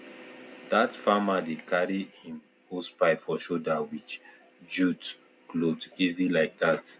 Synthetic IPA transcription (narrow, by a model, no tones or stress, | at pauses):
d̥atfamadekʰaɹihĩm | ospaɪfɔʃodawit͡ʃ | d͡ʒut | klodizilaɪk̚dat